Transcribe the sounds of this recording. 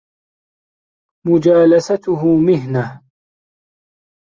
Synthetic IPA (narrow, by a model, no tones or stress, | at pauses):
mʊd͡ʒaːlasat̪ʊɦʊmɪɦnah